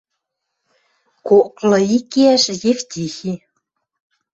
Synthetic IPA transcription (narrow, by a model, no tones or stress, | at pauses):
koklɤ̆ikeæʃjeft̪ʲixi